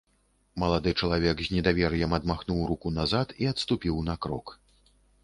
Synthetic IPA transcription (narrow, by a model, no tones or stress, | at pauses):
mɐlˠad̪ɨt͡ʂɐlˠavʲɛɡzʲnʲɛd̪avʲɛrjɛmɐd̪maxnuwɾukunazat̪iɐt̪st̪upʲiwnɐkɾɔk